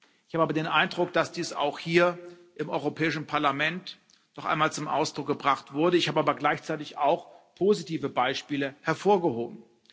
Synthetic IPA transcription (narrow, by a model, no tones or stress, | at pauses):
ɪçhaːbəaːbɐdeːnʔaɪndʁʊkd̥asd̥iːsa̰ʊxhiːɐ | ʔɪmʔɔʏʁopʰɛːɪʃn̩pʰaɐlamɛnt | nɔχʔa̰ɪnmaːlt͡sʊmʔa̰ʊsd̥ʁʊk̚ɡ̥əbʁaχtv̥ʊɐɾəɪçhaːbəaːbɐɡlaɪçt͡saɪtɪçaʊxpʰoːzitʰiːvəbaɪʃpiːləhɛɐfoːɐɡəhoːbm̩